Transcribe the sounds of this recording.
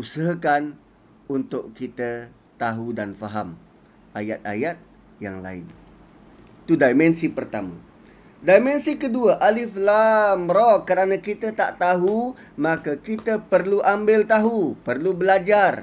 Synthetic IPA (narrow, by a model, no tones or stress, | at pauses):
usəɦakan | unt̪ʊʔkit̪ə | t̪aɦudanfaɦa̰m | ʔaja̰t̪̚a̰jat̪̚ | ja̰ŋla̰ɪ̰n | t̪udajmɛnsipərt̪a̰mã̰ | dajmɛnsikəduəʔalɪflamɾokːəɾanãkit̪ət̪aʔt̪aɦumakəkit̪əpərluʔambɪlt̪aɦupərlubəlad͡ʒar